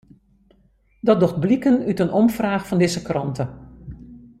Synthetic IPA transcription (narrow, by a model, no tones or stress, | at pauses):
dɑt̚doχt̚blikənytənɔmfraːxfɔndɪzəkrɑ̰ntʰə